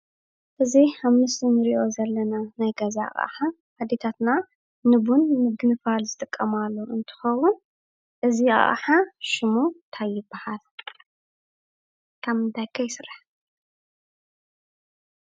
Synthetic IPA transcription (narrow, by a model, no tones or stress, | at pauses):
ʔɨziħaβmɨst̪inɨɾiʔo̞zɐlːɐnanajɡɐza̰χʼħa | ʔad̪et̪ʰat̪na | nɨbunmɨɡɨnɨfalzɨt̪ʼɨkʼːɐmalːoʔɨnt̪ʰɨ̥xɐwʊn | ʔɨziaa̰ʔʼa̰ħaʃɪmut̪ʰajːɪbːahal | kʰammɨnd̪ʰajkʰːɐjɪsɨrːaħ